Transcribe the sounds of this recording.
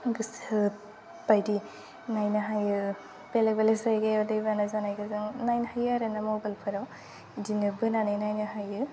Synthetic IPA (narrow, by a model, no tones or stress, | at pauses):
ɡɯsɯ | pajdi | najnɯɦajɯ | pelekbalesajɡajawdejbanazanajɡazɯŋnajnhajɯaɾenamobalpʰɯɾaw | dinɯbɯnanɯjnajnɯɦajɯ